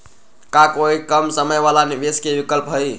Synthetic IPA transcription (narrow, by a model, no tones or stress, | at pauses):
kakoikəmsəməjbalanibeskebikəlpɦəj